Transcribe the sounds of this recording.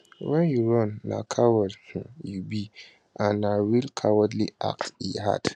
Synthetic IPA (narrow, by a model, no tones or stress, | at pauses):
wɛ̃njuɾɔ̃nːa̰kʰawɔdhũjubi | ʔanawilkʰawɔdliʔa̰k̚tiha̰d̥